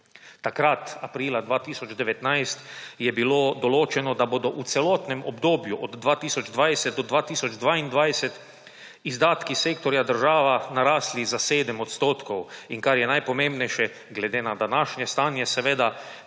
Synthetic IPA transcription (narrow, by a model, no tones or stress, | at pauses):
t̪akɾat̪apɾiːlad̪ʋaːt̪iːsɔd͡ʒd̪ɛʋɛt̪najst̪jɛbiloːd̪ɔloːt͡ʃɛnɔd̪aboːd̪ɔʔut̪sɛlɔːt̪nɛmɔbd̪oːbjuʔɔd̪d̪ʋaːt̪iːsɔd͡ʒd̪ʋajsɛt̪̚d̪ɔd̪ʋaːt̪iːsɔd͡ʒd̪ʋaːind̪ʋajsɛt̪ | izd̪aːt̪kiseːkt̪ɔɾjad̪əɾʒaːʋanaɾaːslizaseːd̪əmɔt̪st̪oːt̪kɔwiŋkaɾjɛnajpɔmẽmbnɛjʃɛ | ɡlɛd̪eːnad̪anaʃɲɛst̪aːnjɛsɛʋeːd̪a